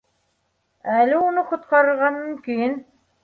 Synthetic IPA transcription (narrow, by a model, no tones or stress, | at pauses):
ælɘunɤqŏt̪̚qɑɾɤ̆ɾʁɑnːɤŋkijɘn